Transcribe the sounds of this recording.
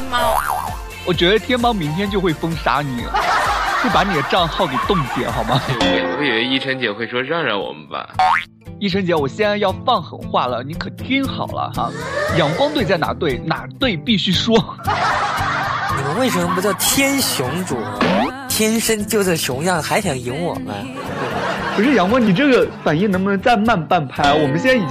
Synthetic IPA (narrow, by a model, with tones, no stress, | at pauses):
wɔ˨˩t͡ɕɥɛ˧˥d̪ə˧t̪ʰjɛ˥nmɑ˥ŋmi˧˥ŋt̪ʰjɛ˥nt͡ɕjo˥˧xwe˥˩ɪfɤ˥ŋʂa̰˧˥ni˨˩xwe˥˩ɪpa˧˥ni˨˩d̪ə˦ʈ͡ʂɑ˥˧ŋxɑ˥˩ʊke˨˩ɪt̪ʊ˥˩ŋt͡ɕjɛ̰˧˥xɑ˨˩ʊmɐ˩˥˧we˥˩ɪ˩we˧˥ɪi˥˩ʈ͡ʂʰə˧˥ŋt͡ɕjɛ˧˥xwe˥˩ɪʂwɔ˥ɻɑ˥˧ŋɻa˧˥ɪwɔ̰˨˩mə̰˦nba̰˧˩ | i˥˩ʈ͡ʂʰɤ˧˥ŋt͡ɕjɛ˧˥wɔ˨˩ɕjɛ˥˧nt͡sa˥˧ɪjɑ˥˧ʊfɑ˥˩ŋxə̰˨˩nxwa˥˩lə˩ni˧˥kʰɤ˨˩˧t̪ʰi˥nxɑ̰˨˩ʊlə̰˦xa̰˥˧jɑ˧˥ŋkwɑ˥ŋt̪we˥˧ɪt͡sɪna̰˨˥˩t̪we˥˩ɪna˧˩t̪we˥˧ɪpi˥˩ɕy˥ʂwɔ˥ | ni˨˩mə˧˦nwe˥˩ɪʂə˧˥mə˧pu˧˩t͡ɕjɑ˥˩ʊt̪ʰjɛ˥nɕjʊ˧˥ŋʈ͡ʂṵ˨˩˦t̪ʰjɛ˥nʂə˥nt͡ɕjo˥˧ʊt͡sa˥˩ɪɕjʊ˧˥ŋjɑ˥˩ŋxa˧˥ɪɕʰjɑ˧˩ŋi˧˥ŋwɔ̰˨˩mə̰˦ | t̪we˥˩ɪpʰu˧˥ʂɻ̩˥˩jɑ˨˩˦ŋkwɑ˥ŋni˨˩ʈ͡ʂɤ˥˩ɡə˩fa˨˩ni˥˩nɤ˧˥mə˧nə˧˥nt͡sa˥˧ɪma˥˧npa˥˩npʰa˥ɪwɔ˨˩mə˦nɕ̬jɛ˥na˥˩i˨˩